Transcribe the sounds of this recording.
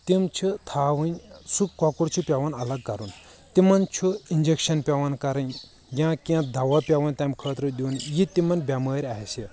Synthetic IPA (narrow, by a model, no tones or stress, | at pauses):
t̪imt͡ʃʰit̪ʰaːʋɨnʲsukːɔkuɽt͡ʃʰupʲaʋɐnɐlɐɡ̚kɐɾun | t̪imɐnt͡ʃʰuind͡ʒekʃɐnpʲaʋɐnkɐɾɐn | jãːkiãd̪ʱɐʋapʲjaʋɐnt̪amkʰəːt̪ɾɨd̪ʲiːnjit̪imɐnbʲaməːɾʲaːɦisi